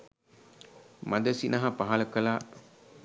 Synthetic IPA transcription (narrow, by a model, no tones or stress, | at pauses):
mad̪əsinɐɦapaɦaləkəla